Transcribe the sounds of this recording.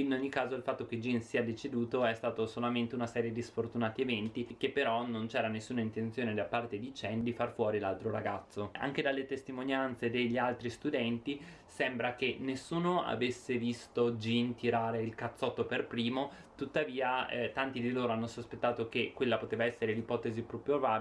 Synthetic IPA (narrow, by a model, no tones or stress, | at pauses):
inoɲːikaːzoilfat̪ːoked͡ʒinsiːad̪et͡ʃed̪uːt̪oɛst̪aːt̪osolament̪eunasɛːɾjed̪isfort̪unaːt̪ievɛnt̪ikepːeɾɔnont͡ʃɛːɾanesːuːnaint̪ent̪sjoːned̪apːart̪ed̪it͡ʃɛnd̪ifarfwɔːɾilalt̪ɾoɾaɡa̰t̪sːoa̰ŋk̟ed̪alːet̪est̪imonjant̪sed̪eʎːialt̪ɾist̪ud̪ɛnt̪i | sɛmbɾak̟enːesːuːnoa̰vesːevist̪od͡ʒint̪iɾaːɾeilkat̪sːɔt̪ːoperpɾiːmo | t̪ut̪ːaviːaɛt̪ant̪id̪iloːɾoanːosospet̪ːaːt̪okekːwelːapot̪eːvaɛsːeɾelipɔːt̪ezipɾupova